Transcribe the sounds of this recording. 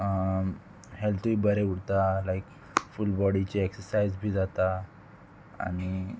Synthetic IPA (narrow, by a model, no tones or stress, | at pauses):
ə | helt̪uiːbəɾeuɽt̪alaik | fulbɔɽit͡ɕeeksəɾsaid͡zbʱiːd͡zat̪a | a̰ɽ̃i